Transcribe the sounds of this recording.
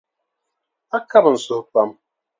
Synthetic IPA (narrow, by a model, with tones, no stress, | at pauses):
a˦ka˦bn̩˨so˨pa˦m